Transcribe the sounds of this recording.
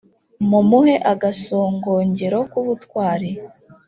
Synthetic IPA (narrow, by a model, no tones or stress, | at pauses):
mumuhe̞ʔaɡasoːŋɡo̞ːɲɟe̞ɾo̞kuβutwaːɾi